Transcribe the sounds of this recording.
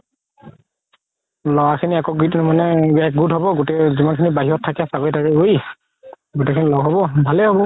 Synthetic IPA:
lɔwakʰiniakɔɡitmanɛɛk̚ɡudɦɔbɔɡutɛzimankʰinibaɦiɔtʰːakɛsabɔjtaɹɛoj | ɡutɛkʰinilɔɡɦɔbɔbʱalɛɦɔbɔ

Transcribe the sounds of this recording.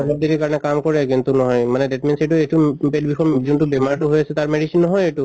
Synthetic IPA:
lɔb̚d̪eɡikaɹɔnɛkamkɔɹɛk̬int̪unɔɦɔjmanɛdetminseʈuejtupedbixɔɹzintubɛmaɹtuɦojasɛt̪aɹmɛɖisinːɔɦɔjetu

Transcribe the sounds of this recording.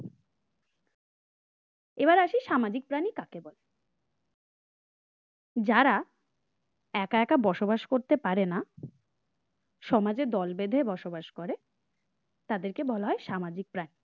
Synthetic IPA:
eβaɾaʃiʃamad͡ʑik̚pɾanikakebɔle | d͡ʑaɾa | ɛkaɛkabɔʃobaʃkoɾt̪epaɾena | ʃɔmad͡ʑed̪ɔlbed̪ʱebɔʃobaʃkoɾe | t̪ad̪eɾkebɔlaɦɔeʃamad͡ʑik̚pɾani

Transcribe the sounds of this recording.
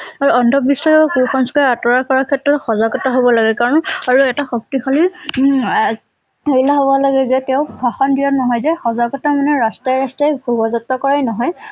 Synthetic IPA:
aɹuɔndʱɔbisaɔkuɹxɔnskɔɛatɔɹakɔɹakʰɛtɹɔtxɔzaɡɔtaɦobɔlaɡɛkaɹɔnaɹuɛtaxok̚tixɔli | heilaɦobɔlaɡɛzɛtɛʊ̃bʱaxɔndiɔnɔɦɔjzɛxɔzaɡɔtamanɛɹastajɹastajɡʱubɔzɔtːɔkɔɹajnɔɦɔj

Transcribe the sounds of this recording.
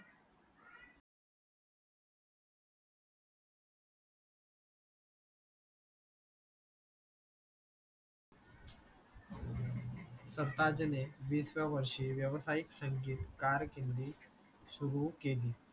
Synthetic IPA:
səɾt̪ad͡ʑneʋiːsʋjaʋəɾʂiːʋjəʋsajiksəŋɡiːt̪kaɾkind̪iː | suɾukeliː

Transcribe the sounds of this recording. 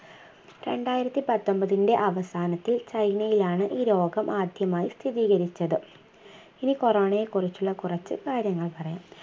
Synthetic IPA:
ɾe̞ɳɖaːjiɾɐt̪ːipɐt̪ːo̞mbɐðinde̞ʔɐʋɐsaːnɐt̪ːilt͡ɕɐjnɐjilaːɳɨʔiːɾo̞ːɡɐmʔaːd̪ʱjɐmaːjist̪ʰiðiːɣɐɾit͡ɕːɐðɨ | inikoroːɳɐjekurit͡ɕːuɭːɐkurɐt͡ɕːɨ̰kaːɾjɐŋːɐɭpɐrɐja̰ːm

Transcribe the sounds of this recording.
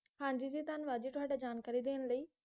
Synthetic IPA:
hãːɲd͡ʒiːd͡ʒiːt̪aːnʋaːd͡ʒiːʈʊaːɖaːd͡ʒaːnkaːɾiːd̪eːənləiː

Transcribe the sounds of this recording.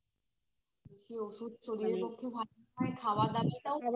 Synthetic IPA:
eʃeoʃud̪̚t͡ɕʰoɽieɾpokʰːebʱa | aekʰaoad̪abit̪aw

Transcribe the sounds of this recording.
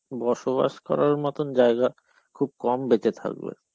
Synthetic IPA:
bɔɾʃoβa̰ʃkɔ̰ɾaɾmɔt̪ond͡ʑaeɡa | kʰub̚kɔmbet͡ɕet̪ʰa̰k̚bḛ

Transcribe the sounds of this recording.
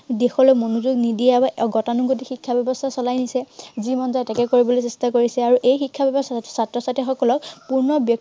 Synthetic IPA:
dexɔlɔjmonuzuɡnidijabaɡɔtanuɡotixikʰːabjɔbɔstʰasɔlajnisɛzimɔnzatakɛkoɹibɔlojsestakoɹisɛaɹuʔejxikʰːabjɔbɔstʰḁsatɹɔsatɛxɔkɔlɔk̚puɹnɔbjɔk̚

